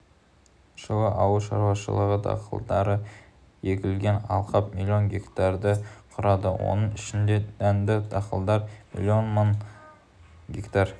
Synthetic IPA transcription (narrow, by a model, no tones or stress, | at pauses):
ʃəwɑʔɑwəʃɑɾwɑʃə̰lˠəʁəd̪ɑ̰qʰə̰lˠd̪ɑɾə | jekʲɪlɡʲe̞nɑ̰lˠqʰɑpmilʲːio̞nɡʲe̞kt̪ɑɾd̪əqʰʊɾɑd̪ə̰wo̞̰nəɴɪʃɪnd̪eænd̪ɪd̪ɑqəlˠd̪ɑɾmḭlʲːio̞nmən | ɡʲekt̪ɑɾ